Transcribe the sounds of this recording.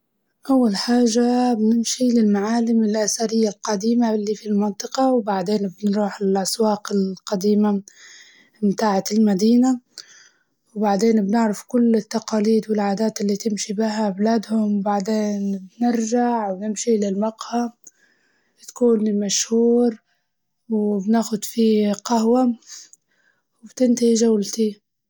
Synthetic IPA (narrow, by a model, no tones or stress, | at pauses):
ʔawːalħaːʒabnɪmʃilɪlmaʕaːlɪmɪlʔasaɾɪjːalqɑd̪iːmalːifilmɪnt̪ˤɨqɑwbaʕd̪eːnbnɾuːħɪlʔaswɑːqɪlqɑd̪iːma | mt̪aːʕalmad̪iːna | wbaʕd̪eːnbnɪʕɾɪfkʊlːɪt̪ːaqɑːliːd̪wɪlʕaːd̪aːt̪ɪlːit̪ɪmʃibɪɦablaːd̪hʊmwbaʕd̪eːnbnɪɾʒaʕwnɪmʃilɪlmɑqha | t̪akuːnmaʃhuːɾ | wbnaːxʊd̪fiqahwa | wɪbt̪ɪnt̪ɪhiʒawlt̪i